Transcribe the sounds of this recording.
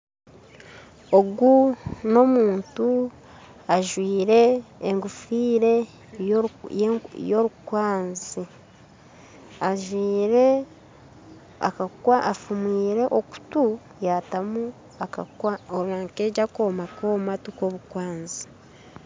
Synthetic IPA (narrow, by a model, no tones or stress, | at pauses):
oɡuno̞muːntu | aʒwiːɾe̞ːŋɡufiːɾe̞ | joɾukwaːnzi | aʒwiːɾe | akakwaafumwiːɾe̞ʔoku̥tu | jaːtamu | aaoɾaːŋkeɟakoːmako̞ːmatuko̞βukwaːnzi̥